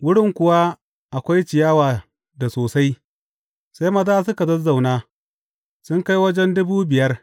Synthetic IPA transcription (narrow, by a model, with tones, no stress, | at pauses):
wʊ˦ɽɪ˦˨ŋkʷʊ˨wa˦ | ʔa˨kʷa˦jt͡ʃɪ˨jaː˦waː˨ | da˨soː˨sa˦j | sa˦jmɐ˦zaː˦sʊ˦ka˨dɐ˦za˨wnaː˦ | sʊ˦ŋka˦jwɐ˦d͡ʒɛ˦ndʊ˦buː˦bɪ˨jɐ˦r